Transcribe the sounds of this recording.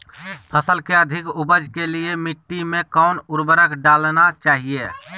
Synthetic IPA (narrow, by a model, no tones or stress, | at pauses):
pʰəsəlkeəd̪ʱɪkʊbəd͡ʒkeliemɪʈːimẽkəʊnʊɾbəɾəkɖaːlnat͡ʃaːɦie